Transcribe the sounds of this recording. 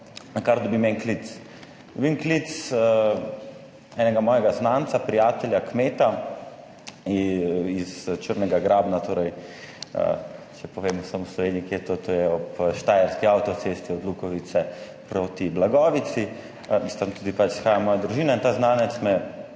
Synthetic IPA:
nakaɾd̪ɔbimɛnklit̪s | d̪̥ɔbimklit̪s | ɛːnɛɡamɔːjɛɡaznaːnt̪sapɾijaːt̪ɛljakmeːt̪a | izt͡ʃəɾnɛɡaɡɾaːbnat̪oːɾɛj | ə̰ | t͡ʃɛpɔʋeːmusamuslɔʋeːniiket̪ot̪ojɛɔpʃt̪aːjaɾskiawt̪ɔt̪sest̪iɔd̪lukɔʋit̪sɛpɾoːt̪iblaɡɔːʋit̪si | mist̪ant̪uːd̪ipat͡ʃsxaːjamɔːjad̪ɾuʒiːnaint̪aːznaːnɛt̪smɛ

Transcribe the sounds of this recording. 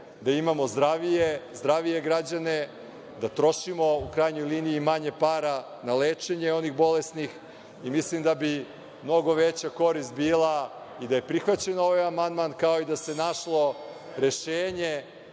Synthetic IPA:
d̪aimamo̞zd̪ɾaʋijezd̪ɾaʋije̞ɡɾad͡ʑane̞ | d̪at̪ɾo̞ʃimo̞ukɾajɲo̞jliːniːmaɲe̞paːɾa | naleːt͡ʂe̞ɲeo̞niɣbo̞lesnix | imislimd̪abi | mno̞ɡo̞ʋet͡ɕako̞ɾist̪̚biːlˠa | id̪aje̞pɾixʋat͡ɕe̞no̞ʋajamand̪mankao̞id̪ase̞naʃlˠo̞ | ɾe̞ʃeːɲe

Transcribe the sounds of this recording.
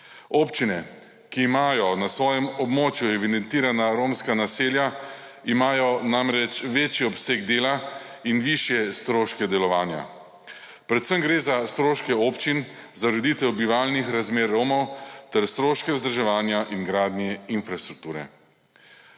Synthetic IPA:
oːpt͡ʃinɛ | kiːmaːjɔnasʋɔːjɛmɔbmoːt͡ʃjuɛʋid̪ɛnt̪iːɾanaɾoːmskanaseːlja | imaːjɔnamɾɛt͡ʃʋeːt͡ʃiɔpseːɡd̪eːlainʋiʃjɛst̪ɾoːʃkɛd̪ɛlɔʋaːnja̰ | pɾɛt̪səmɡɾeːzast̪ɾoːʃkɛoːpt͡ʃin | zaɾɛd̪iːt̪ɛwbiʋaːlnixɾazmeːɾːoːmɔwt̪ɛɾst̪ɾoːʃkɛzd̪ɾʒɛʋaːnjaʔinɡɾaːd̪njɛinfɾast̪ɾuk̚t̪uːɾɛ̰

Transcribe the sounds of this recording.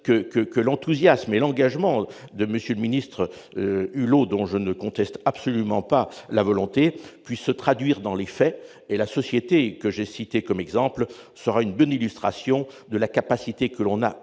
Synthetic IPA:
kəkəkəlɑ̃t̪uzjasmelɑ̃ɡaʒmɑ̃ | d̪əməsjøləminist̪χə | ylod̪ɔ̃ʒənəkɔ̃t̪ɛst̪absɔlymɑ̃palavɔlɔ̃t̪epɥisːət̪χad̪ɥiʁd̪ɑ̃lefɛ | elasɔsjet̪ekəʒesit̪ekɔmɛɡzɑ̃plsəʁaynbɔnilyst̪χasjɔ̃d̪əlakapasit̪ekəlɔ̃na̰

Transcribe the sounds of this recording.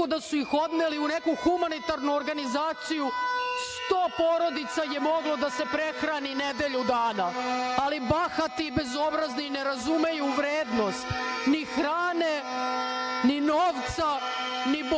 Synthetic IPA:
od̪asuixo̞d̪meliune̞kuxumanit̪aɾnuoɾɡanizaːt̪sijust̪oːpoɾo̞d̪it̪sajemo̞ɡlo̞d̪ase̞pɾe̞xɾanine̞d̪eʎud̪aːnaalibaxat̪ibe̞zo̞bɾazniineɾazume̞juʋɾeːd̪no̞st̪nixɾaːne | ninoːʋt̪sa | nib

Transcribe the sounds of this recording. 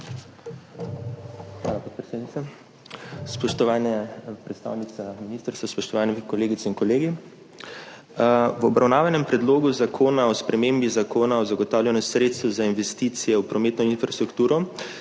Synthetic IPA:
xʋa̰ːlapot̪̚pɾɛseːd̪nit̪ɛ | spɔʃt̪ɔʋaːnɛpɾɛt̪st̪a̰ːwnit̪sɛminiːst̪əɾst̪aspɔʃt̪ɔʋaːnɛkɔleːɡit̪sɛinkɔleːɡi | wɔbɾawnaːʋanɛmpɾɛd̪loːɡuzakʰoːnaɔspɾɛmeːmbizakoːnaɔzaɡɔt̪aːwlʲjʲanɔsɾeːt̪st̪ʋɔzainʋɛst̪it̪sijɛwpɾɔmeːt̪nɔinfɾast̪ɾukt̪uːɾɔ

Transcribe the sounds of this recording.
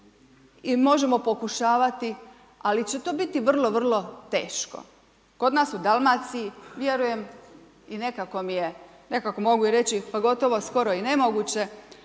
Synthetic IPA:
imo̞ʒe̞mo̞po̞kuʃaːʋat̪i | alit͡ɕe̞t̪o̞ːbit̪iʋr̩lˠo̞ʋr̩lˠo̞t̪e̞̰ːʃko̰ | ko̞d̪naːsud̪alˠmat̪sijiʋje̞ɾuje̞m | ine̞kako̞mije | ne̞kako̞mo̞ɡuiɾe̞t͡ɕipaɡo̞t̪o̞ʋo̞sko̞ɾo̞ine̞mo̞ɡuːt͡ɕe̞

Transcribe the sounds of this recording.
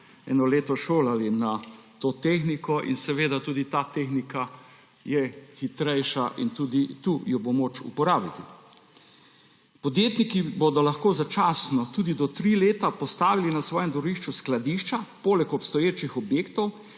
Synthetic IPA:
ɛ̰nɔleːt̪ɔʃoːlalinat̪oːt̪exnikɔʔḭnsɛʋeːd̪at̪uːd̪it̪aːt̪exnika | jɛxit̪ɾɛjʃaʔint̪uːd̪it̪ujɔbomot͡ʃṵpɔɾaːbit̪i | pɔd̪jeːt̪nikibod̪ɔlaxkoːzat͡ʃasnɔt̪uːd̪id̪ɔt̪ɾiːleːt̪apɔst̪aːʋilinasʋɔːjɛ̃md̪ɔɾiʃt͡ʃusklad̪iʃt͡ʃapoːlɛkɔpst̪ɔjeːt͡ʃixɔbjeːkt̪ɔw

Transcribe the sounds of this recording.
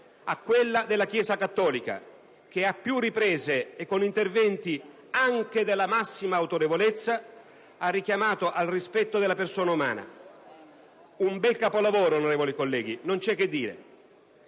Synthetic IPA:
akːwelːad̪elːakjɛːzakat̪ːɔːlika̰ | k̟eapːjurːipɾeːzeːkːonint̪ervɛnt̪i | aŋk̟ed̪elːamasːimaːwt̪oɾevolet̪sːa | arːikjamaːt̪oʔalrispɛt̪ːod̪elːapersoːnauma̰ːna̰ | umbɛlkapolavoːɾoːnoɾeːvolikolːɛːɡ̟inont͡ʃɛkːed̪ːiːɾḛ

